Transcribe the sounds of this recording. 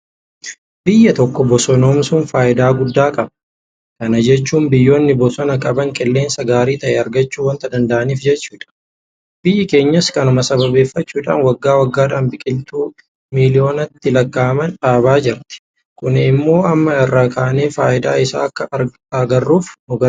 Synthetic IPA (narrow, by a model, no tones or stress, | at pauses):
bɪjːɐt̪ɔkːɔbɔsɔnoːmsʊnfaːʔɪd̪aːɡʊd̪ːaːkʼɐb | kɐnɐd͡ʒɛt͡ʃːuːnbɪjːoːnːɪbɔsɔnɐkʼɐbɐŋkʼɪlːe̞ːnsɐɡaːɾiːt̪ɐʔɛɐɾɡɐt͡ʃːuːwɐnt̪ɐd̪ɐnd̪ɐʔɐniːfd͡ʒɛt͡ʃːuːᶑɐ̥ | b̥ɪjːɪke̞ːɲːɐskɐnʊmɐsɐbɐbe̞ːfːɐt͡ʃːuːᶑa̰ːnwɐɡːaːwɐɡːaːᶑaːnbɪkʼɪlt̪uː | milɪo̞ːnɐt̪ːɪlɐkːaːmɐnᶑaːbaːd͡ʒɪɾt̪ɪ̥ | kʊnɪmːo̞ːɐmːɐɪrːaːkaːneːfaːʔɪd̪a̰ːɪsa̰ːɐkːɐ | ɐɡɐrːuːfnʊɡɐ